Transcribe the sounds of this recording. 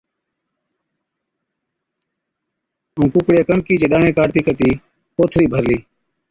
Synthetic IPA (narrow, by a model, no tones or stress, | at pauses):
ũːkʊkɽɪjaːkəɳkiːt͡ʃeːɗaːɳẽːkaːɾt̪iːkət̪iː | koːt̪ʰɾiːbʱəɾliː